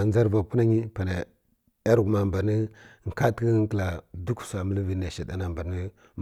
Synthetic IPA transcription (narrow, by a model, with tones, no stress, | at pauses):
n˦za˦ɾva˨ku˦na˦ɲi˦pa˨na˨ | a˦ɾɡu˨ma˨mba˨ɾnə˦˨ŋ̩˨ka˦tə˦ŋkə˨la˨du˦ksa˨mə˦lə˦vi˨na˨ʃa˨da˦na˨mba˨nə˦ | m